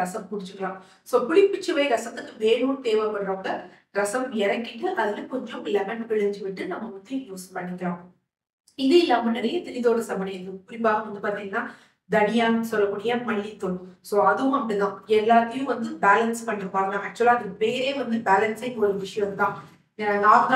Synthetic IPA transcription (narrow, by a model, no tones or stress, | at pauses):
ɾɐsɐmpʊɽɪt͡ʃːɯʋɐjãː | soːpʊɽɪpːɪt͡ʃːɯʋɐɪɾɐsɐt̪ːɯkːɯʋeːɻuːnt̪eːʋɐpɐɾɾoːŋɡɐ | ɾɐsɐmɛɾɐkːɪʈːɯʔɐðɪlɐ̃kɔɲd͡ʒɐmɪlːɐmɐɳpɪɻɐɲd͡ʒɯʋɪʈːɯnɐmːɐmɐt̪ːɐjuːspɐɳːɪkːɪɾõː | ɪðeːɪlːaːmɐnɛɾɐjɐt̪ɪlɪðoːɽɐsɐbɐnɐɐɯpʊɾɪpːaːɣɐʋɐnd̪ɯpaːɾt̪iŋɡɐnːaː | d̪ɐnɪjaːnɐsɔlːɐkːuːɽɪjɐmɐɻɪit̪ːolsoːɐðɯʋʊ̃mɐmɽɪɡãːɛlːaːt̪ːɐjʊ̃ʋɐnd̪ɯbaːlɐnspɐɳːɪɾɯpːaːŋɡɐɐk̚t͡ʃːʊʋɐlãːɐðɯpeːɾeːʋɐnd̪ɯbaːlɐnsɐɪŋɡɐɔɾɯʋɪʂɐjɐ̃mt̪ãː | ɐŋɡaːɡ